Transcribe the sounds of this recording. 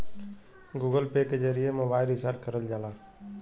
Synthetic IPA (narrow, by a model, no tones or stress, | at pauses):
ɡuːɡəlpeːkezəɾijemobaːɪlɪsaɾkəɾəld͡ʒaːlaː